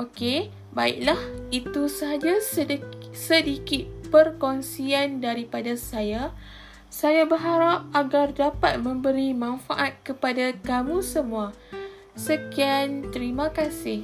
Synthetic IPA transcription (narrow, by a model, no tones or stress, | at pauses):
oke | baɪ̰k̚lahit̪usəɦad͡ʒassədikɪt̪̚pərkɔnsiandaɾipadasaja | sajabəɦaɾap̚aɡardapat̪̚mə̃mbəɾimãnfaʔat̪̚kəpadakamũsəmũa | səkiant̪əɾimãkasɪh